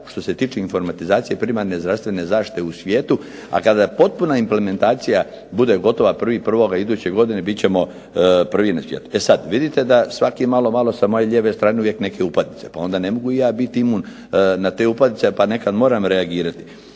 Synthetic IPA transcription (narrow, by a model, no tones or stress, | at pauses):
ʃt̪o̞se̞t̪iːt͡ʃeiɱfo̞ɾmat̪izaːt̪sijepɾimaɾne̞zd̪ɾast̪ʋe̞ne̞zaːʃti̥t̪eusʋjeːt̪u | a̰kad̪apo̞t̪̚punaimple̞me̞nt̪aːt̪sija | bud̪e̞ɡo̞t̪o̞ʋapr̩ʋipr̩ʋo̞ɡaid̪uːt͡ɕeɡod̪ine̞bit̪t͡ɕe̞mo̞ | pr̩ʋinasʋjeːt̪u̥e̞sad̪ʋid̪it̪e̞d̪asʋakimalo̞malo̞samo̞je̞ʎʲeːʋe̞st̪ɾaːneuʋje̞kne̞ke̞upad̪nitse̞̥pao̞nd̪ane̞mo̞ɡuijaːbit̪iimun | nat̪eːupad̪nit̪sepane̞kad̪mo̞ːɾamɾeaɡiːɾat̪i̥